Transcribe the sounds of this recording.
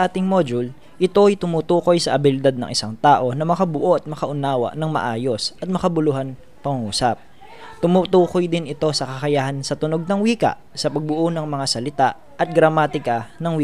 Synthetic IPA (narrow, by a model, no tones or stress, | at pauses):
ʔaːt̪ɪŋmod͡ʒʊl | ʔɪt̪o̞ɐjt̪ʊmuːt̪uːko̞jsɐʔɐbɪlɪd̪ad̪̚nɐ̰ŋʔɪsaŋt̪aːʔo̞nɐmɐkɐbʊʔo̞ʔɐt̪̚mɐkɐʔʊnaːwɐ̰ʔnɐŋmɐ̰ʔaːjo̞sʔɐt̪̚mɐkɐbʊlʊɦan | pɐŋʊŋuːsɐp̚ | t̪ʊmut̪uːko̞jd̪ɪnɪt̪o̞sɐkɐkɐjahɐnsɐt̪ʊno̞ɡ̚nɐŋwiːkɐ̰ʔsɐpɐɡ̚bʊʔonɐŋmɐŋasɐlɪt̪aʔ | ʔɐt̪̚ɡɾɐmaːt̪ɪkɐnɐŋwi